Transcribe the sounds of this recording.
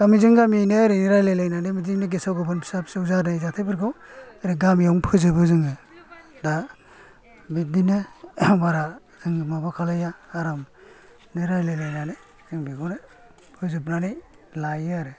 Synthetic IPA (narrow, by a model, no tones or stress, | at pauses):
ɡ̥amizɯŋɡaminɯaɾɯniɾajlajlajnanɯmiziŋnɯɡesawɡɯbɯnpʰi̥sapsɯuzaɾnajzatʰajbɯɾɡʰɯwaɾiɡamjaŋpʰɯzɯbɯzɯŋɯ | da | mit̚dinɯbaɾa | zɯŋɯmabakʰalajaːɾam | niɾajlajlajnanɯ | z̥ɯŋbiɡɔnɯ | pʰɯzɯp̚nanɯj | lajaɾɯ